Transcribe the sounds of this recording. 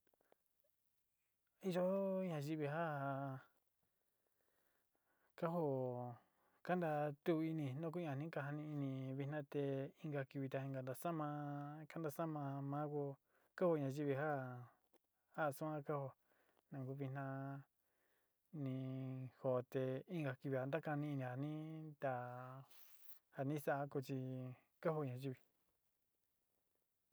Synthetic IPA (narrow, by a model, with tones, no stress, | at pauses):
i˧ʒo˦ɲã˧ʒi˦βi˧ɦa˦˨ | ka˦ɦo˦ | ka˦nd̪a˧t̪u˦˧i˧nĩ˧nõ˦k̬u˦ɲã˧˨nĩ˦ka˧ɦa˧nĩ˧i˧nĩ˧βi˧nã˦t̪e˧i˦ŋɡa˧ki˧βi˧t̪a˧ĩ˧ŋɡa˧˨nd̪a˧sa˦mã˧ka˦nd̪a˧sa˦mã˧mã˦ko˧ | ka˦ho˧ɲã˧ʒi˦βi˧ɦa˦ | ha˦˨sũ˦ã˦ka˦ho˧ | nã˨ɡu˦βi˧nã˧ | nĩ˧ho˨t̪e˧i˦ŋɡa˧ki˧βi˧˨a˨nd̪a˦ka˧nĩ˧i˧nĩ˧ha˨nĩ˦t̪a˧ | ha˧nĩ˦sa˦ʔa˦ko˧t͡ʃi˧ | ka˦ho˧ɲã˧ʒi˧βi˨